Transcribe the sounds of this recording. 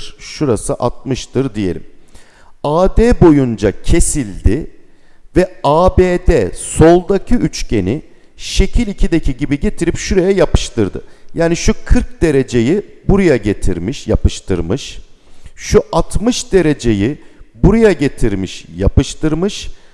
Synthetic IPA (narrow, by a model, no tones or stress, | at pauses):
ɾ̥ʃuɾasɯʔat̪̚mɯʃt̪ʰɯɾd̪ije̞lʲim | aːd̪eːbo̞jund͡ʒacʰe̞silʲd̪ɪ | vɛaːbeːd̪ɛso̞lˠd̪acʰɯyt͡ʃcʰe̞ni | ʃe̞cʰilʲicʰid̪ecʰiɟibiɟe̞t̪ʰiɾipʃuɾe̞jɛjapɯ̥ʃt̪ʰɯɾd̪ɯ̰jaːniʃukʰɯɾk̚d̪e̞ɾe̞d͡ʒe̞jibuɾajaɟe̞t̪ʰḭɾmiʃjapɯʃt̪ʰɯɾmɯʃ | ʃuʔat̪mɯʃd̪e̞ɾe̞d͡ʒe̞jibuɾajaɟe̞t̪ʰiɾmiʃja̰pɯʃt̪ʰɯɾmɯʃ